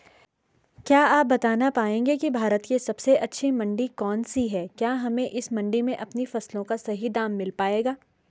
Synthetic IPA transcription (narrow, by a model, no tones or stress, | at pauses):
kjaːaːp̚bɐt̪aːnapaːẽːŋɡekibʱaːɾət̪kesɐbseʔɐtːʃʰimɐ̃ɳɖikɔːnsiɦɛːkjaːɦɐmẽʔɪsmɐ̃ɳɖimẽʔɐpnifɐslõkasɐɦid̪aːmːɪlpaːeːɡaː